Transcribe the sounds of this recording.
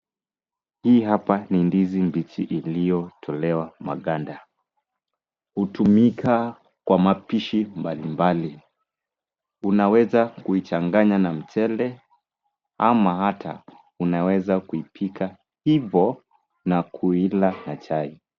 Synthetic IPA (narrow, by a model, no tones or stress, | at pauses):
hiːɦapanindizimbitiʔilijɔtʰɔlɛwama̰ɠanda | hutumikʰa | kwamapiʃimbalimbali | unawɛzakuit͡ʃaŋɡaɲanam̩t͡ʃɛlɛ | amahatʰa̰ | unawɛzakuipʰikʰa | hivɔ | nakʰuilanat͡ʃai